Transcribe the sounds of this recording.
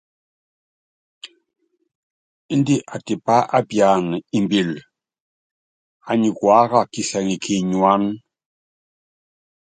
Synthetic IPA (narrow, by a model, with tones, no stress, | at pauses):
i˦ndi˦ʔa˨ti˨pa˦ʔa˦bja˨ni˨mbi˨l | a˨ɲi˨kwa˦ka˨ki˨sɛ˨ŋi˨kʰi˨ɲu˨a˦n